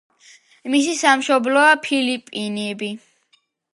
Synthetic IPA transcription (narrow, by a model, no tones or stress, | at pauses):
mis̬isamʃɔblɔapʰilipʼinɛbi